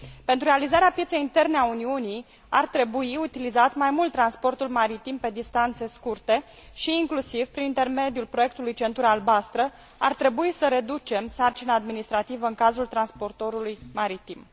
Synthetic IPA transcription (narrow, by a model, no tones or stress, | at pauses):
pe̞nt̪ɾuɾealizaɾeapjese̞jint̪e̞rneauniunij | art̪ɾe̞buiut̪ilizat̪majmult̪ːɾanspo̞rt̪ulmaɾit̪impe̞d̪ist̪ant̪se̞skurt̪e̞ | ʃiːŋklusivpɾinint̪e̞rme̞d̪iulpɾoje̞k̚t̪ulujt͡ʃe̞nt̪uɾəalbast̪ɾə | a̰rt̪ɾe̞buisəɾe̞d̪ut͡ʃe̞msart͡ʃinaːd̪minist̪ɾat̪ivəɨŋkazult̪ɾanspo̞rt̪o̞ɾulujmaɾit̪im